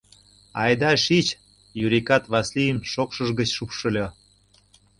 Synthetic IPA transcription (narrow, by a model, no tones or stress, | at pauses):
ɑjd̪ɑʃit͡ɕ | juɾʲikɑt̪βɑslijəmʃokʃəʒɣə̆t͡ɕʃupʃə̆lʲo